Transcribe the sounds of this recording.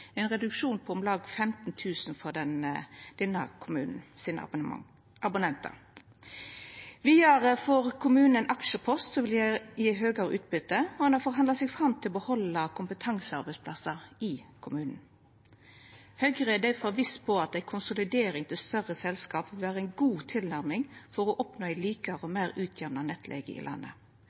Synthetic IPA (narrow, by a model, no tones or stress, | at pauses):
æɪnʁɛd̪ʉkʂuːnpʰɔɔmlɑːɡfɛmt̪nt̪ʰʉːsnfɔʁd̪ɛnd̪̥ɛnːəkʰʊmʉ̰ːnn̩siːnə̰ | ʔɑbʊnɛnt̪ɑ̰ | ʋiɑɾfɔɾkʰʊmʉːnn̩ɛnʔɑkʃəpʰɔst̪sɔʋɪljæɪɦøːɡəɾəʔʉ̰ːt̪̚bʏt̪ːəɔɛnɑfɔɾɦɑnd̪ɑsɛɡfʁɑmt̪ʰɪlɔbəhɔlːɑkʰʊmpət̪ʰɑŋsəɑɾbɛɪspʰlɑsəɾɪkʰʊmʉːnn̩ | hœʏɡəʁɛd̪æɪfɔʋɪspʰɔɑt̪̚æɪkʰʊnsʊlɪd̪eːɾɪŋt̪ʰɪlst̪œʁəsɛlskɑːpʋɪlʋæːɾəɛɪnɡuːt̪ʰɪlnæɾmɪŋfɔɾɔʔɔpnoːæɪliːkɑɾəɔmæːʁʉːt̪ʰjæɾnɑnɛt̪ʰlʔḛːɡə̰ɪ̰lʔɑ̰nːə̰